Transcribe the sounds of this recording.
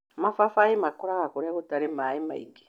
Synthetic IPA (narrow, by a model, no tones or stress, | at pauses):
mafafaemakɔɾakakoɾɛkotaɾemaema̰ḭɡe̥